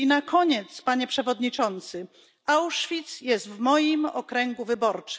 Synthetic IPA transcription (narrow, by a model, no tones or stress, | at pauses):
nakɔɲɛt̪spaɲɛpʂɛvɔd̪ɲit͡ʂɔnt̪sɘ | awʂfʲit̪sjɛst̪vmɔjimɔ̰kɾɛŋɡuvɘbɔɾt͡ʂ